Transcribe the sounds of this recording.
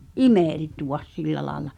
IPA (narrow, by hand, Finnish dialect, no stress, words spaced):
ʔimeˑltuw̆ɑs silːæ lɑːĕlɑ